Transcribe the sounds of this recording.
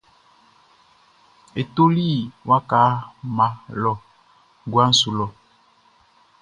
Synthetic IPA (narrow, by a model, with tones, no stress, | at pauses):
e˨to˦li˦wʔa˦ka˨˦mã˨lɔ˨ | ɡwa˦n̩˦su˨lɔ˨